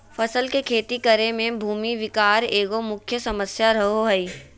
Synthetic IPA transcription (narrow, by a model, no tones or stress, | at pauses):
fʰɐsəlkekʰeːt̪ikəɾemẽbʱuːmiʋɪkaːɾeːɡomʊkʰjəsɐməsjaɾɐɦoɦɛiː